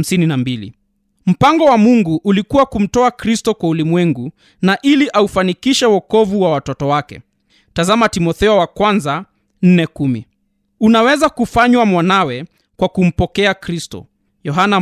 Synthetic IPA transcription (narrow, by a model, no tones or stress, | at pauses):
m̩sininambilḭ | m̩paŋɡɔwamuŋɡuʔːlikuwakum̩tɔakɾistɔkwaulimwɛŋɡu | naʔiliʔaufanikiʃɛwɔkɔvuwawatɔtɔwakɛ̰ | tazamatimɔθɛɔwakwanza | n̩nɛkumi | unawɛzakufaɲwamwanawɛ | kwakum̩pɔkɛakɾistɔ̰ | jɔɦana